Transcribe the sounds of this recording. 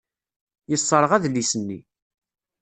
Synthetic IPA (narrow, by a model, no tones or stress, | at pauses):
jəsˤːəɾˤʁæðlisənːḭ